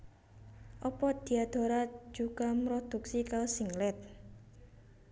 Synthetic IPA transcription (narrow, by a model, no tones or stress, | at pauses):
ʔɔpɔd̪̥i̤ad̪̥o̤ɾḁd͡ʒ̥uɡ̥a̤mɾɔd̪̥ṳksikasiŋlɛt̪̚